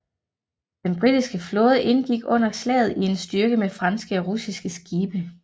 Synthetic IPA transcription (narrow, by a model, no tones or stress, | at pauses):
d̥enb̥ʁid̥isɡ̥əflɔ̽ːð̞ˠəʔe̝nɡ̥iɡ̥ɔ̽n̰ɐslɛ̰ːð̩ˠie̝nsd̥ɶɐɡ̥əmefʁɑ̈nsɡ̥əɒʁusisɡ̥əsɡ̥iːb̥ə